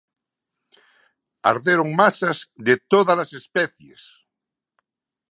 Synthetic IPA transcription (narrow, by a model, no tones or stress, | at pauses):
a̰ɾðeɾoŋmasazðet̪oðalasespɛθjḛs